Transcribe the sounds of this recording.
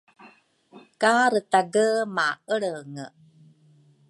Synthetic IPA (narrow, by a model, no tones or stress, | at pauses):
kaɾətaɡəmaəɭəŋə